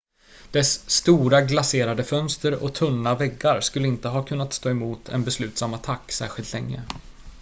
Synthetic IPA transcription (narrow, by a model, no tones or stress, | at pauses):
d̪̥ɛsːt̪uːɾaɡlaseːɾad̪əfœnst̪əɾɔ̰t̪ʰɵnːavɛɡːaɾskɵlːəɪnt̪əɦɑːkʰɵnːat̪st̪oːɛmuːt̪ʰɛ̰nbɛslʉ̟ːt̪samat̪ʰakːsæ̰ːɾɧɪlt̪lɛŋːə̰